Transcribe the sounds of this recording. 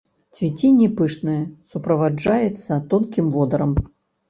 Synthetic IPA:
t͡sʲvʲit͡sʲinʲːipɨʂnɨjɐsupɾɐvad͡ʐajɛt̪sːɐt̪ɔnkʲimvɔd̪ɐɾɐm

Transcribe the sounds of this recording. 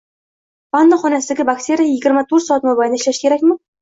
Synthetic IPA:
b̥anːaχɔnæsɪd̪ɪɡʲɪbakt̪ʰʲeɾʲijajɪɡʲɪɾmat̪ʰuɾt̪sɔɑt̪mobajnæɪʃlʲæʃkʲʰeɾækʲmɪ

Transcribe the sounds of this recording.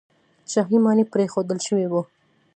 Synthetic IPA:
t͡ʃaɦimɑnipɾexod̪əlʃəwiwu

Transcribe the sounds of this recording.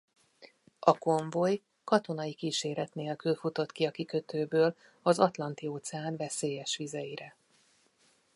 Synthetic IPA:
ɒko̞ɱvo̞j | kɒt̪o̞nɒjikiːʃeːɾɛt̪neːlkylfut̪o̞t̪kiɒkikøt̪øːbøːl | ɒzɒt̪lɒnt̪ioːt̪sɛaːnvɛseːjɛʃʋizɛjiɾɛ

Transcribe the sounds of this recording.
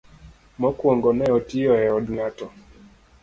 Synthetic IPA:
mɔkwɔŋɡɔnɛɔtiɔɛɔdŋatɔ

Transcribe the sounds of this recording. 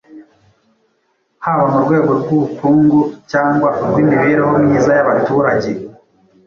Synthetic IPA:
haβamuɾɡwe̞ːɡo̞ɾɡuβukuːŋɡucaːŋɡwauɡwimiβeɾeɦo̞mɲiːzajaβatuːɾaɟe̞

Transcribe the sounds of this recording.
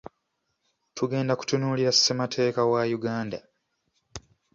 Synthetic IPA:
tʰuɡe̞ːndaku̥tunuːliɾasːematʰe̞ːkawajuɡaːnda

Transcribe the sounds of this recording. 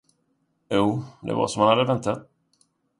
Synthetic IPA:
juːd̪ɛ̰va̰ʂɔmhanhad̪ːəvɛnt̪ʰat̪̚

